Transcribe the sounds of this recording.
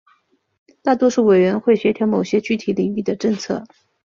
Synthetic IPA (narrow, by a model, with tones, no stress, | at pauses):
t̪a˥˩t̪wɔ˥ʂu˥˩we˨˩ɪɥɛ˧˥nxwe˥˩ɪɕɥɛ˧˥t̪ʰjɑ˧˥ʊmo˨˩ʊɕjɛ˥t͡ɕy˥˩t̪ʰi˨˥li˨˩ŋi˥˩d̪ə˩ʈ͡ʂɤ˥˧ŋt͡sʰɤ˥˩